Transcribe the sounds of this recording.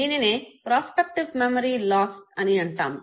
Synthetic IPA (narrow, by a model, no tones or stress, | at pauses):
d̪iːnineːpɾaːspɐk̚ʈiʋmemɐɾiːlaːsʈɐniɐɳʈa̰ːm